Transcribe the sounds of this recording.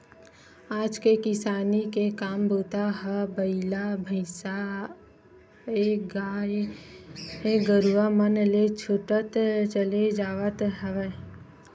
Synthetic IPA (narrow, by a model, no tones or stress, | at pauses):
aːd͡ʒkekɪsaːnikekaːmboːt̪aɦəbəɪlabʱəɪsa | eɡaː | eɡəɾuamənlet͡ʃʰʊʈət̪t͡ʃəled͡ʒaːʋət̪ɦəʋɛ